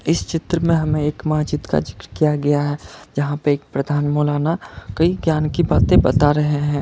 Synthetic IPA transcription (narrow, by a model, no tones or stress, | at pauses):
ɪst͡ʃɪt̪ɾəmẽɦɐmẽeːkmaːd͡ʒɪt̪ka̰d͡ʒɪkɾkijaɡɐjaɦɛd͡ʒɐɦãpəɾeːk̚pɾəd̪ʱaːnmoːlaːnakɐiɡjaːnkibaːt̪ẽbɐt̪aɾɐɦeɦɛ̃ː